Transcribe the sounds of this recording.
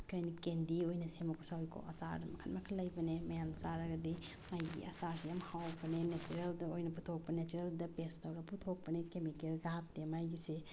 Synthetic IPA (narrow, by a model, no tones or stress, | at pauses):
kʰɐjnikendiojnɐsemɐkʰusawikʰo̰ɐ̰sa̰ɾdɐmɐkʰɐnmɐkʰɐlɐjbɐnemɐjamt͡ʃaɾɐɡɐdi | majɡḭɐsaɾsijamhawbɐnenet͡ʃuɾeldɐojnɐputʰok̚pɐnet͡ʃuɾeldɐpestɐwɾɐputʰok̚pɐnekemikelɡap̚temajɡise